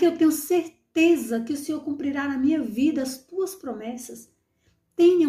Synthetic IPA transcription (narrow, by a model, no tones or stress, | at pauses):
kɪewt̪ẽɲʊseɾt̪ezɐkɪʊsẽoɾkũmpɾiɾanɐmĩɲɐvid̪ɐːst̪uɐspɾomɛsɐs | t̪ẽɲɐ̃